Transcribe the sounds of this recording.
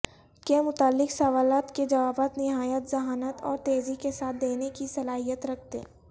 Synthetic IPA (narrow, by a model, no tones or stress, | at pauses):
kemʊt̪aːlːɪksɐʋaːlaːt̪ked͡ʒɐʋaːbaːt̪nɪɦaːjət̪zɐɦaːnət̪ɔːɾt̪eːzikesaːt̪̚ʰd̪eːnekisɐlaːɦijət̪ɾɐk̚ʰt̪ḛ